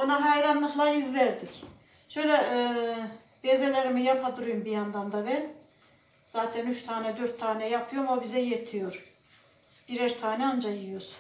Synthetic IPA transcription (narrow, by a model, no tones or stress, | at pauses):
onaɦɑjɾanlˠɯxlˠaizlʲæɾd̪ic | ʃø̞jlʲɛ | bezelʲeɾimijapʰad̪uɾujumbijand̪and̪abɛn | z̥aːt̪ʰɛnyt͡ʃt̪ʰaːnɛd̪øɾt̪ʰːaːnɛjapʰɯjoɾmobizɛjet̪ʰijoɾ | b̥iɾɛɾt̪ʰaːnɛand͡ʒajiɯjoɾ̥